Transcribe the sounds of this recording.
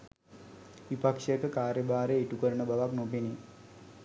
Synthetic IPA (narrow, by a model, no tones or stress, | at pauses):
ʋipakʂjəkəkaːɾjəbaːɾeːʈukəɾəɳəbaʋaknobini